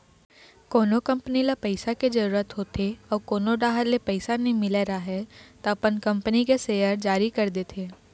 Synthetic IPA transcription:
koːnokɐ̃mpnilapɛɪsaked͡ʒɐɾuːɾət̪ɦoːt̪eɔːɾkoːnoɖaːɦəlepɛɪsanɐĩmɪleɾaɦɛt̪oɐpənkɐ̃mpənikeseːjəɾd͡ʒaːɾikɐɾd̪eːt̪ʰeː

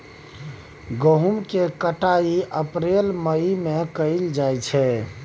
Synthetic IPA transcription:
ɡoɦumkekəʈaiəpɾelməimekəɪld͡ʒajt͡ʃʰɛ

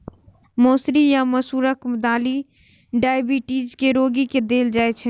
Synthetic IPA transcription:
moːsɾijaməsuːɾəkmd̪aːli | ɖaːjbiʈiːd͡ʒkeɾoːɡiked̪eːld͡ʒaːɛt͡ʃʰɛ

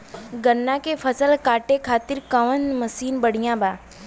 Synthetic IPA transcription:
ɡənːakepʰəsəlkaːʈekʰaːt̪ɪɾkɐʋənməsiːnbəɽ̤ijãbaː

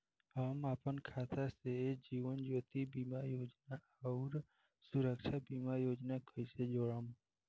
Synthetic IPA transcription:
ɦəmapənkʰat̪ʰased͡ʒiʋənd͡ʒot̪ibimajod͡ʒna | əɾ | suɾəkʃʰabimajod͡ʒnakʰəiʃʰed͡ʒoɭam

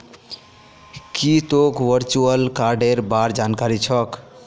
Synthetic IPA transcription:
kit̪okʋəɾt͡ʃuəlkaɾɖeɾbaɾd͡ʒankaɾit͡ʃʰʌk

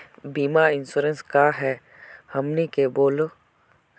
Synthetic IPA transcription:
biːmaɪnsuːɾənskaɦɛ | hɐmnikeboːlo

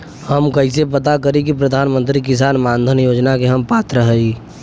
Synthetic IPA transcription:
həmkəɪsepət̪akəɾik̬ipɾəd̪ʱaːnmə̃nt̪ɾikɪs̬aːnmaːnd̪ʱənjoːd͡ʒnakeɦəmpaːt̪ɾəɦəi

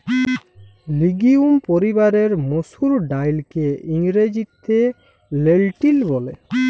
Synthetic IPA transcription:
liɡiumpoɾibaɾeɾmosuɾɖajlkeiŋɾed͡ʒit̪ʰːe | lelʈilbɔle

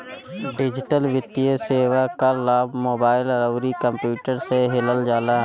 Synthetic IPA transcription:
ɖɪd͡ʒɪʈəlʋjɪt̪ijəseːwakalaːbmoːbaːɪlɾəwɾikəmpjuːʈəɾseɦɪləld͡ʒaːla

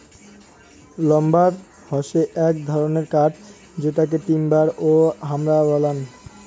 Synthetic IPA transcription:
lɔmbaɾ | hɔʃeʔɛk̚d̪ʱɔɾoneɾkaʈ | d͡ʑeʈak̬eʈimbaɾoɦamɾabɔlan

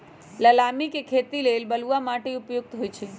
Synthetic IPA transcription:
ləlamikekʰet̪ilelbəluʋamaʈeupjuɡ̚t̪ʰojt͡ʃʰe

